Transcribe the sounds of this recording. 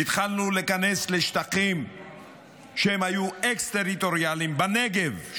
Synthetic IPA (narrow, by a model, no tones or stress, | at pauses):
it̪χalnulekanesleʃt̪aχim | ʃehemhajuekst̪eʁit̪o̞ʁjalimbaneɡev